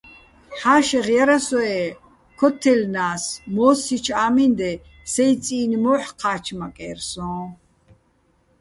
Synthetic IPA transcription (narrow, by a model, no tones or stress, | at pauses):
ħaːʃɛʁjaɾasɔɛ | kʰɔt̪ʰːɛlnaːsmɔːsit͡ʃʰaːmind̪ɛ | sɛjt͡sʼiːnimɔħqʰaːt͡ʃʰmakʼɛ̰rsɔ̃ː